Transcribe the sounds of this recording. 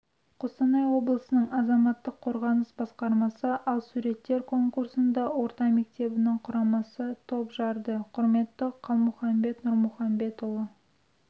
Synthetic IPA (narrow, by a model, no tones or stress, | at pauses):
qʰosɑnɑjwo̞blˠəsənəɴɑzɑmɑt̪ːəqʰːo̞ɾʁɑnəsbɑsqɑɾmɑsəʔɑlˠsuɾe̞t̪ːe̞ɾkʰo̞ŋkuɾsənd̪ɑwo̞ɾt̪ɑme̞k̚t̪e̞bɪnɪŋqʰʊɾɑmɑsət̪ʰo̞pʒɑɾd̪əqʰʊɾme̞t̪ːəqʰɑlˠmʊχɑmbe̞t̪nʊɾmʊχɑmbe̞t̪ʊlˠə